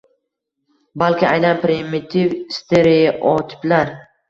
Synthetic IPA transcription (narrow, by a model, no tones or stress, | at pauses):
balkʲɪajnanpɾɪmɪt̪ʰivst̪ʰeɾejaʔɒt̪ʰɪ̥plaɾ